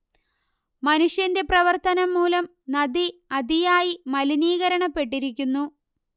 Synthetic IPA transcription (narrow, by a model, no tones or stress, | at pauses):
mɐnuʂjɐnde̞prɐʋɐrt̪ɐnɐmːuːlɐm | nɐd̪iɐd̪ijaːjimɐliniːɣɐɾɐɳɐpːe̞ʈːiɾikʲːunːu